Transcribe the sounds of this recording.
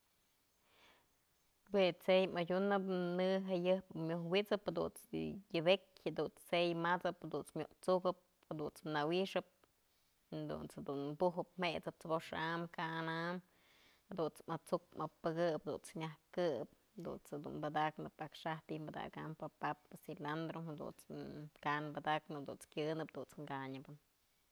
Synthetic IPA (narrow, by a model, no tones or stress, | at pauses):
wet͡sejmad͡ʒʲunɨpnɨɦajɨpmjohwit͡sɨphed̪ṵnt͡sjɨbekʲhed̪unt͡sejmat͡sɨphad̪unt͡smʲjoʔt͡sukɨp̚ | had̪unt͡snawiʂɨp̚ | d̪ṵnt͡shad̪unbuɦɨp̚m̥et͡sɨp̚t͡sɨboʂamkaanam | hed̪unt͡smat͡suk̚mapɨɡɨphd̪ṵnt͡sɲahkɨp̚ | d̪ṵnt͡shed̪ṵnbad̪aknɨpakʂaht̪imbad̪a̰kampapapsiland̪ɾohed̪ṵnt͡skanbad̪aknɨd̪ṵnt͡skʲjɨnɨp̚d̪unt͡sŋɡaɲɨbɨn